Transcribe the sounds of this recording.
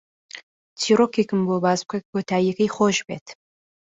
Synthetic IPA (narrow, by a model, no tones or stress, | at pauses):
t͡sʰiːɾokikɨmbobaːzb̚kʰɐk̚kʰot̪ʰaːjɐkɐjχoːʒbeːt̪